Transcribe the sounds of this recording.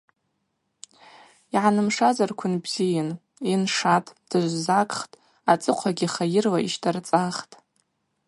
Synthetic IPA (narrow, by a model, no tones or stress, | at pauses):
iʕanɨmʂazarkʷʰʊnbz̥ijan | inʂatʼd̥ɨʒʷzakʼχtʼ | at͡sʼɨqʷʰaɡʲiχajɪrlaiʃtʰart͡sʼaχtʼ